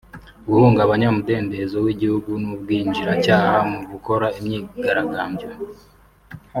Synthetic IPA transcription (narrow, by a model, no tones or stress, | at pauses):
ɡuhuːŋɡaβaɲamude̞ːnde̞zowiɟihuɡunub̚ɡiːɲd͡ʒiɾacaːhamuɡuko̞ɾaimɲiːɡaɾaɡaːmbɟo